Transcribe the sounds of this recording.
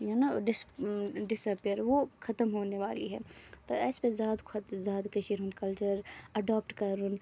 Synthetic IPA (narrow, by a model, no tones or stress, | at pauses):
janaɖɪsɖɪsaːpijəɾʋoxʰɐt̪əmɦoːneʋaːlḭɦɛ̰ːt̪oɛːspezjaːd̪kʰɐt̪zjaːd̪kɐʃiɾɦũnd̪kɐlt͡ʃəɾɐɖaːp̚ʈkɐɾʊn